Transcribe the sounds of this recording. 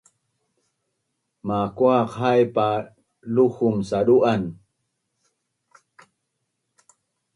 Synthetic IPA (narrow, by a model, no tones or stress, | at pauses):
makuaqɦajpa | luxumsaduʔan